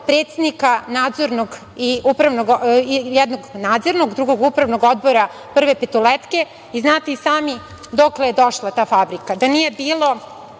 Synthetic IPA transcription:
pɾe̞ːt̪se̞d̪nikanaːd̪zo̞ɾnoɡ | iupɾaʋnoɡjɛd̪no̞ɡnaːd̪zo̞ɾno̞ɡd̪ɾuɡo̞ɡupɾaʋno̞ɡo̞d̪̚boɾa | pr̩ʋe̞pet̪olet̪ke̞ | iznaːt̪isaːmi | d̪o̞klejed̪o̞ʃlˠat̪aːfabɾikad̪anije̞biːlˠo̞

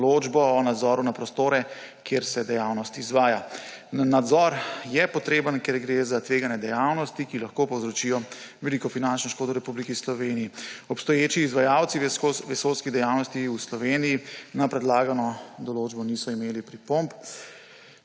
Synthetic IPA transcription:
loːd͡ʒbɔːnad̪zɔːɾunapɾɔst̪oːɾɛ | kjeɾsɛd̪ɛjaːwnɔst̪izʋaːja | nad̪zɔɾjɛpɔt̪ɾeːbənkɛɾɡɾezat̪ʋeːɡanjɛd̪ɛjawnɔst̪ikilaxkopɔwzɾɔt͡ʃiːjɔʋɛlikɔfinant͡ʃnɔʃkoːd̪ɔɾɛpublikɛislɔʋenijiɔpst̪ɔjeːt͡ʃiːzʋajawt̪siʋɛsowskid̪ɛjawnɔst̪iuslɔʋenijinapɾɛd̪laːɡanɔd̪ɔloːd͡ʒbɔnisɔimeːlipɾipomp

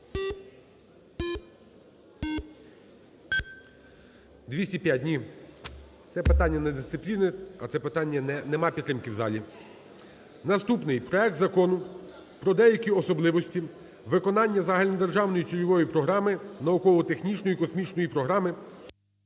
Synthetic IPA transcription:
d̪ʲʋʲisʲtʲipʲjat̚ʲnʲi | t̪sɛpɪt̪ɑnʲːɐnɛd̪ɪst̪sɪplʲinɪɐt̪sɛpɪt̪ɑnʲːɐɛnɛmɑpʲit̪ɾɪmkɪwzɑ̰lʲi | nɐst̪upnɪjpɾɔɛk̚t̪zɐkɔnʊ | pɾɔd̪ɛjɐkʲiɔsɔblˠɪʋɔsʲtʲi | ʋɪkɔnɑnʲːɐzɑɦɐlʲind̪erʒɑwnɔjit͡ʃ̪ʲilʲɔʋɔjipɾɔɦɾɑmɪnɐukɔlˠɔt̪exnʲit͡ʃnɔjikɔsmʲit͡ʃnɔjipɾɔɦɾɑmɪ

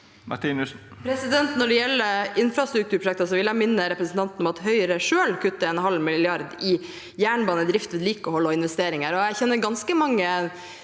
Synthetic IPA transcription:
mɑ̰ʈiːnʉs | pʰɾɛsɪd̪ɛnt̪nɔɖɛjɛlːəɾɪnfɾɑst̪ɾʉkt̪ʰʉːɾpʰɾʊʃɛk̚t̪əsɔʋɪljæmɪnːəɾɛpɾəsn̩t̪ɑnt̪nɔmɑt̪ɦœʏɾəʂøːlkʰʉt̪ːəɛnɦɑlmɪllɪɑɾd̪ɪ | jæːɳbɑːnəd̪ɾɪft̪ʋɛd̪liːkɔhɔlːɔɪnʋɛst̪eːɾɪŋəɾɔæɾçɛnːəɾɡɑnskəmɑŋːə

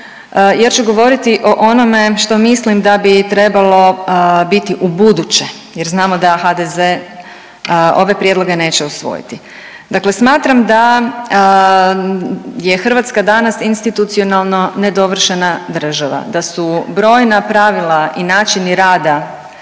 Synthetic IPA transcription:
jat͡ʃuɡo̞ʋo̞ɾit̪iʔo̞ʔono̞me̞ʃt̪o̞mislimd̪abit̪ɾe̞balo̞bit̪iʔubud̪ut͡ɕe̞ | jeɾznaːmo̞d̪axad̪eze | o̞ʋe̞pɾje̞d̪lˠo̞ɡene̞ːt͡ɕeusʋo̰jḭt̪i | d̪akle̞smaːt̪ɾamd̪a | je̞xr̩ʋat̪skad̪anasinst̪it̪ut̪sio̞nalˠno̞ne̞d̪o̞ʋr̩ʃenad̪r̩ʒaʋa̰d̪asubɾo̞ːjnapɾaʋilˠainaːt͡ʃiniɾaːd̪a

